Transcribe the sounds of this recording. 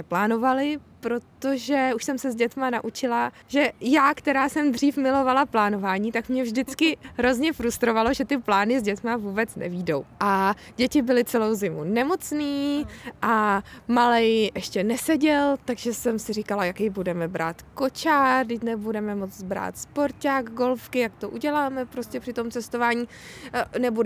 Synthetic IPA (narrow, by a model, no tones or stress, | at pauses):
ɛplaːno̞valɪpɾo̞t̪o̞ʒɛuʃsɛmsɛzɟɛt̪manaʔut͡ʃɪla | ʒɛjaːkt̪ɛɾaːsɛmd̪r̝iːfmɪlo̞valaplaːno̞vaːɲiːt̪akmɲɛvʒdɪt͡skɪɦɾo̞zɲɛfɾust̪ɾo̞valo̞ʒɛt̪ɪplaːnɪzɟɛt̪mavuːbɛt͡snʔɛ̰viːdo̞wʔa | ɟɛcɪbɪlɪt͡sɛlo̞wzɪmunɛmo̞t͡sniːʔamalɛjʔɛʃcɛnɛsɛɟɛlt̪aɡʒɛsɛmsɪrikalajakɛjbudɛmɛbɾa̰ːt̪ko̞t͡ʃaːrdɪcnɛbudɛmɛmo̞t͡sbɾa̰ːt̪spo̞ɾcaːɡɡo̞lfkɪjakt̪o̞ʔuɟɛlaːmɛpɾoscɛpr̥ɪt̪o̞mt͡sɛst̪o̞vaːɲiːnɛbu